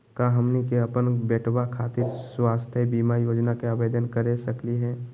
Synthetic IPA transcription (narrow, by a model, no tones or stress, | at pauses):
kaɦəmnikeɐpənbɛːʈʰwakʰaːt̪ɪɾswaːst̪ʰjebiːmajoːd͡ʒnakeəʋeːd̪ənkəɾesəkliɦɛː